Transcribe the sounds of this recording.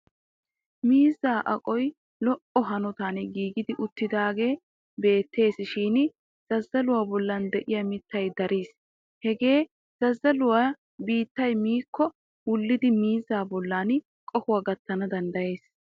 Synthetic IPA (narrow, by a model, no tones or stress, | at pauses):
miːzːaːʔɐ̰kʼɔj | lɔʔɔɦɐnɔt̪aːnɛɡiːɡɪd̪ɪʔʊt̪ːɪd̪aːɡe̞ː | be̞ːt̪ʰːe̞ːsɪʃiːn | z̥ɐzːɐlʊwaːbɔlːɐnd̪ɛʔɪjɐmɪt̪ːɐjd̪ɐɾʔiːs | hɛɡe̞ː | z̥ɐzːɐlʊwa | biːt̪ːɐjmiːkːɔ | wʊlːɪd̪ɪmiːzːaːbɔlːaːn | kʼɔkʊwaɡɐt̪ːɐnɐd̪ɐnd̪ɐje̞ːs